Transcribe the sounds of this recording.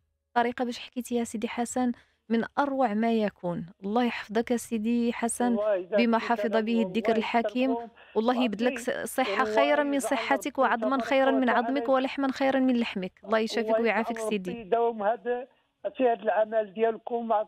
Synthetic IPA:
t̪ˤːɑɾiqɑbæʃħkit̪ihæsid̪iħasæn | mənʔɑɾˤwaʕmæjækʰunwɑlˤːɑhjħɑ̥fd̪ˤɑkhæsid̪iħasænbəmæħɑfɨd̪ˤɑbihd̪ːəkɾəlħakʰim | wɑlˤːɑhjəbd̪ələksˤəħːɑxəjɾɑmənsˤəħːat̪əkwʕɑd̪ˤmɑnxɑjɾɑnmənʕɑd̪ˤməkwəlaħmænxijɾənmənlaħməkwɑlˤːɑhjʃæfəkwjʕafiksid̪id̪æwmhæd̪ | fihæd̪əlʕamæld̪jælkumʕ

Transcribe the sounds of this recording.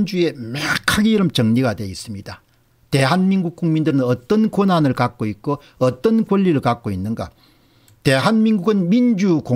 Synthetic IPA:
nd͡ʑue̞makʰaɡeiɾʌmt͡ɕʌŋɲiɡadwe̞is͈ɯmɲid̥a | te̞ɦanminɡuk̚k͈uŋmindɯɾɯnʌt͈ʌnkonanɯɭkak̚k͈oik̚k͈o | ʌt͈ʌnkwʌʎːiɾɯɭkak͈̚oinːɯnɡa̰ | te̞ɦanmiŋɡuɡɯnmind͡ʑuko

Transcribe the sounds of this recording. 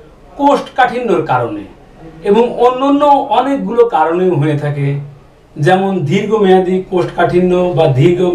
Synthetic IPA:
kosʈkaʈʰinːoɾkaɾonḛ | eboŋonːonːoʔɔnek̚ɡulokaɾonewɦojet̪ʰake | d͡ʒɛmond̪ʱiɾɡomɛad̪ikosʈkaʈʰinːobad̪ʱiɾɡo

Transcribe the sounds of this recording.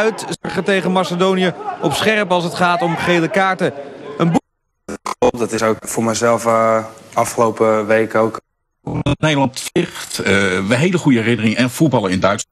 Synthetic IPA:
ɥtχətejχənmasədownijəɔpsχɛɹpɑlˠsətχaːtɔmχejləkaːɹtəənb | χɔdɔtɪsowkfʊːɹmɛzɛlˠf | ɑfχəlowpəʋejkowk | nejdəlɑntfɪχtəɦejləχujəɛrɪnərɪŋəɛnfud̚bɑlˠəɪndœɥts

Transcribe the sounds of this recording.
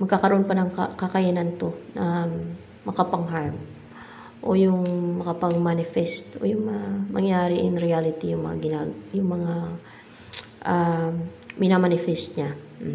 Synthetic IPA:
mɐɡ̚kakɐɾʔonpɐnɐŋkɐkɐkɐjanɐnt̪o̞nɐ | mɐkɐpɐŋɦaɹm | ʔo̰jʊŋmɐkɐpɐɡmanɪfɛst̪o̰jʊŋmɐŋamɐŋjaːɾɪʔɪŋɾɪalɪt̪ijʊŋmɐ̰ŋa̰ɡɪnaɡjʊŋmɐŋa | ʔa | mɪnamanɪfɛst̪̚ɲa

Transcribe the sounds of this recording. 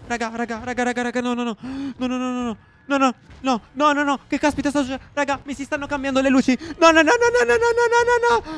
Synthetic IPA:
ɾaːɡaɾaːɡaɾaɡaɾaːɡaɾaːɡanɔnɔnɔnɔnɔnɔnɔnɔ | nɔnɔnɔnɔnɔnɔkekːaspit̪ast̪asueɾaɡamisist̪anːokambjand̪oleluːt͡ʃinɔnɔnɔnɔnɔnɔnɔnɔnɔnɔnɔ

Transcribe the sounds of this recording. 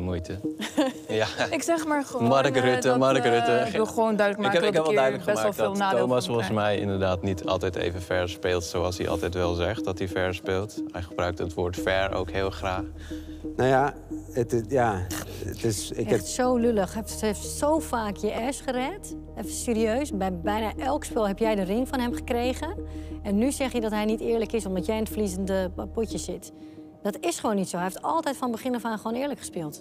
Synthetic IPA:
əmujtʰə | jaɪksɛχmaːɹmadəkəɾʏtəmadəkərʏtəɪʋɪlˠxəʋoːndœɥdləkmaːɛkldœdələkχəbɛmaːlˠfdlˠnaːomasfɔnsmɛjɪ̰ndəɹdaːtnitʰɑ̰lˠtɛjtḛjvənfɛɹspeːlˠtsoɑlˠsdḭʔɑ̰lˠtɛjtʋɛlˠzɛχt̚dɑtifɛɹspeːlˠthɛjχəbrœɥk̚tətʋoːɹtfɛɹo̰wkɦeːlˠχraːχ | noja | ətɪjaə̰tɪsɪɛtsowløləxɛfeftsowfaːkʰjəʔɛsχərɛt | ɛfəseːɾiøːsbɛbɛjnaʔɛlˠkspɪlˠɦɛpjɛjdərɪŋfɔnɦɛmχə̥krejɣənɛnːyzɛxjədɔtɦɛjnitɪːɹləkɪsɔmdɔtjɛjɪnətflizəndəpucəsɪt | d̥ɔtɪsχəʋoːnːitsoːhɦɛjɪftɔ̰lˠtɛjtfɔnbəχɪnəfaχəʋoːnɪːɹləkχəspɪːlˠt

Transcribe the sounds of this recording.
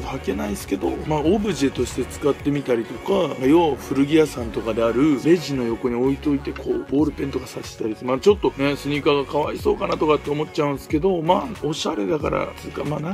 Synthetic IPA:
hake̞naisɨ̥ke̞d̪o̞maːobɯ̟ʑet̪o̞ɕi̥t̪e̞t͡sɨ̥kat̪ːe̞mʲit̪aɾʲit̪o̞kaɡajoɸɯ̟ɾɯ̟ɡʲiasãnt̪o̞kad̪e̞aɾɯ̟ɾe̞ʑino̞jo̞ko̞ɲ̟io̞it̪o̞it̪e̞kʰo̞̰ːbo̞ːɾɯ̟pe̞nt̪o̞kasaɕi̥t̪aɾʲit̪omat͡ɕo̞t̪ːo̞ne̞sɨɲ̟ikaɡakaβaiso̞ːkanat̪o̞kat̪ːe̞o̞mo̞tt͡ɕaɯ̟̃ñsɨ̥ke̞d̪o̞maːo̞ɕaɾe̞d̪aka̰ɾa̰sɨkamaːna

